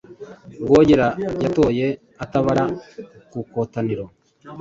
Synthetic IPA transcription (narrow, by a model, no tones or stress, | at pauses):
ɡoːɟeɾajato̞ːje̞ | ataβaɾakukotaniɾo